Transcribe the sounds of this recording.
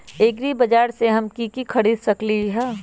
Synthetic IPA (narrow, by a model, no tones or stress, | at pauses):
eːɡɾibɐd͡ʒaːɾseɦɐmkikikʰɐɽiːd̪sɐkliɦɛː